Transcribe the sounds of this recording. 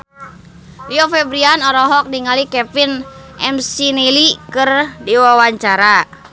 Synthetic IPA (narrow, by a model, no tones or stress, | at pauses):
liofɛbɾianɔɾɔɦɔk̚niŋalikɛpinʔɛmsinilikɨrdiwawaɲt͡ʃaɾa